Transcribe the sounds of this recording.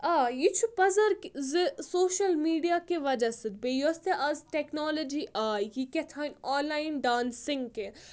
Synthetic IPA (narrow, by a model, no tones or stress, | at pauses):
aːjit͡ʃʰupɐzɐɾkzɨsoːʃɐlmiːɖijakeʋɐd͡ʒɐsɨd̪̚bejost̪eʔɐzʈɛknɔːlod͡ʒiʔʔaːjikɛt̪ʰaːnɔːnlːaːɪnɖaːnsɪ̃ŋɡke